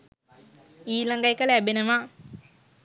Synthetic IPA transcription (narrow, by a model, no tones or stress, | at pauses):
iːlaŋɡajkəlæbenəʋa